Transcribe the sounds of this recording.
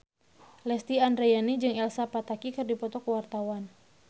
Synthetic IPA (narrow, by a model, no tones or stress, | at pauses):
lɛst̪iandɾejanid͡ʒɨŋɛlsapat̪akikɨrdipɔt̪ɔkəwart̪awan